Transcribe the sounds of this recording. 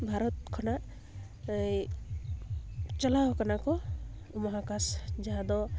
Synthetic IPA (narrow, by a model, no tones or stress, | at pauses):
bʱaɾɔt̪̚kʰɔna | j | t͡ʃɔlaɦkanakɔ | umɔɦakasd͡ʒaad̪ɔ